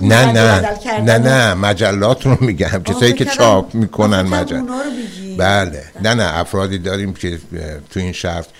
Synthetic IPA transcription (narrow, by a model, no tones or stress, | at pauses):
nænænænæmæd͡ʒælːɒːt̪ʰɾomiːɟæmcʰe̞sɒːjiːke̞t͡ʃʰɒːpʰmiːkʰonænmæd͡ʒæ̰lbæːlenænæʔæ̰fɾɒːd̪iːd̪ɒːɾiːmcʰet̪ʰuiːnʃæɾt̪